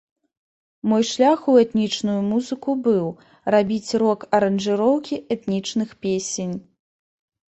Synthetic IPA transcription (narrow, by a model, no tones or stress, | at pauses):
mɔjʂlʲaxuɛt̪nʲit͡ʂnujumuzɨkubɨw | rabʲit͡sʲrɔkɐɾɐnʐɨɾɔwkʲiʔɛt̪nʲit͡ʂnɨxpʲesʲenʲ